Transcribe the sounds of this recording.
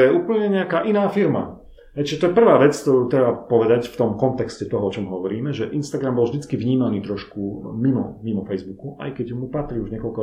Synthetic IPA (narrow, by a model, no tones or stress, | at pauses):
jɛuːpl̩ɲɛɲɛakaːʔinaːfiɾma̰ | ɛt͡ɕːʒɛt̪ɔjɛpr̩ʋaːʋɛt͡skt̪ɔɾuːt̪ɾɛbapɔʋɛd̪acft̪ɔmkɔnt̪ɛkscɛt̪ɔɦɔɔt͡ʃɔmɦɔʋɔɾiːmɛʒɛʔinst̪aɡɾambɔlvʒd̪it͡skiʋɲiːmaniːt̪ɾɔʃkumimɔ̰mimɔfɛjzbukuʔa̰jkɛɟumupat̪ɾiuʒɲɪɛkɔlkɔ